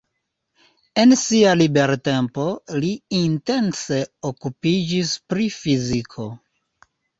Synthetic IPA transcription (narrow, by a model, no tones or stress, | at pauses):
e̞nsialibe̞ɾte̞mpo̞liinte̞nse̞okupid͡ʒispɾifizikʰo̞